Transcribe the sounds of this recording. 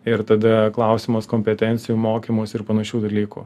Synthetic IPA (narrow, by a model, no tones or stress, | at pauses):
ɪɾt̪ɐd̪ɐklˠɐʊsʲɪmoskoːmʲpʲɛt̪ʲɛnʲt̪sʲɪjuːmoːkʲiːmoːsɪɾpɐnɐʃʲuːd̪ɐlʲiːkṵː